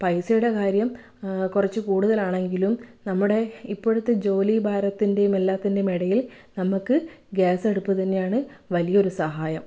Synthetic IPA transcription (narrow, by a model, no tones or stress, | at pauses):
pɐjsɐjuɽe̞kaːɾjɐm | kurɐt͡ɕːɨkuːɽuðɐlaːɳe̞ŋɡilumnɐmːuɽe̞ipːo̞ɽut̪ːed͡ʑo̞ːlibʱaːɾɐt̪ːinde̞jumelːaːt̪ːindemeɽɐjil | nɐmukːɨɡaːse̞ɽupːut̪ɐnːe̞jaːɳɨʋɐlijɐo̞ɾusɐɦaːjɐm